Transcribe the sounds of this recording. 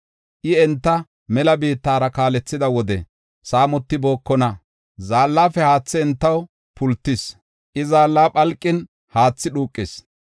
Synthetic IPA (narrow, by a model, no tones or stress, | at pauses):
ʔɪɛnt̪ːɐ | mɛlɐbiːt̪ːaːɾɐkaːlɛt͡sːɪd̪ɐwɔd̪ɛ̰ | saːmɔt̪ːɪbo̞ːkːɔnɐ | zaːlːaːfɛhaːt͡sːɪɛnt̪ːɐw | pʰʊlt̪ːɪs | ʔɪzaːlːaːpʼɐlkʼːɪn | haːt͡sːɪɗuːkʼːɪs